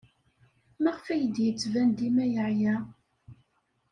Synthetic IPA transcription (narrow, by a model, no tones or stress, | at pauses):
mæʁfæjəd̪jət͡sːvænd̪imæjəʕjæ